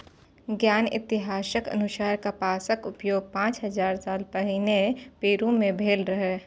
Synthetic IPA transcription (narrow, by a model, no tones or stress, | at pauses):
ɡjaːnɪ̰t̪ɪɦaːsəkɐ̰nʊʃaːɾkapaːsəkʊpjoːɡ̚pãːt͡ʃɦɐzaːɾsaːlpɛɦɪnepeːɾumẽbʱeːlɾɐɦe